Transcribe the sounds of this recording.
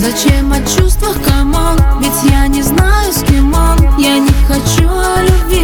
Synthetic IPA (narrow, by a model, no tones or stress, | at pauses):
zɐt͡ɕɛmɐt͡ɕust̪vəxkɐmɔnbʲɪtʲjanʲɪznajʊskʊmɔnjanʲɪxɐt͡ɕulʲʊbʲi